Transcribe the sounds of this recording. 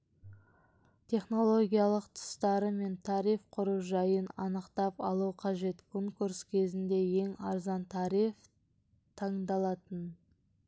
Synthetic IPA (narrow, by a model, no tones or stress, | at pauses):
t̪ʲʰe̞χno̞lˠo̞ɡʲijɑlˠəqt̪ʰə̥st̪ɑɾəme̞nt̪ʰɑɾifqʰʊɾuʒɑjənɑ̰nəqt̪ɑpɑ̰lˠuwqʰɑʒe̞t̪kʰo̞ŋkuɾskʲʰe̞zɪnd̪e̞je̞ŋɑ̰ɾzɑnt̪ʰɑɾijf | t̪ʰɑɴd̪ɑlˠɑt̪ən